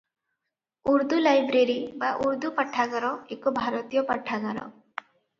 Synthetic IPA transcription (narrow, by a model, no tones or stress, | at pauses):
uɾd̪ulajbɾeɾibaʔuɾd̪upaʈʰːaɡɔɾɔekɔbʱaɾɔt̪ijɔpaʈʰaɡɔɾɔ̰